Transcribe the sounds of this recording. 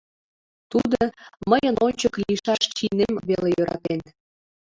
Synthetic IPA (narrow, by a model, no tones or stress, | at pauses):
t̪ud̪oməjənonʲt͡ɕəkliʃɑʃt͡ɕinemβelejøɾɑ̰t̪en